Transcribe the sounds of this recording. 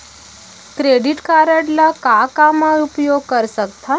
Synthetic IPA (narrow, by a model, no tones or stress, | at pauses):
kɾeɖiʈkaɾəʈlakakamãupjoɡkəɾsək̚t̪ʰa